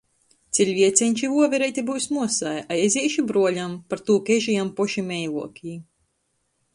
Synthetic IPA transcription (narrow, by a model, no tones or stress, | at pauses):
t̪sʲilʲvʲiɛt̪sʲɛɲʲt͡ʃiuɔvʲɛɾɛjt̪ʲebuwsmuɔsajajɛzʲiɛʃibɾuɔlʲampaɾt̪uːkɛʒijampɔʃimɛjlˠṵɔkʲiː